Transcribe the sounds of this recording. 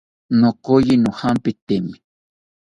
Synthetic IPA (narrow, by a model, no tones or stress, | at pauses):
nokojinuhampit̪emi